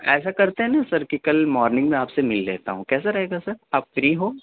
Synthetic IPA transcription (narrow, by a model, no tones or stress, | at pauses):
ɛ̰ːsakɐɾt̪eɦɛ̃nasɐɾkikɐlmɔːɾnɪ̃ŋɡmẽaːpsemɪlːḛːt̪a̰ɦũkɛːsaɾɐɦeːɡasɐɾaːpfɾiɦoː